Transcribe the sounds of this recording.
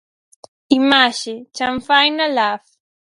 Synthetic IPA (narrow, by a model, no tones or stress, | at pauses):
ɪmaʃɪt͡ʃamfajnalaf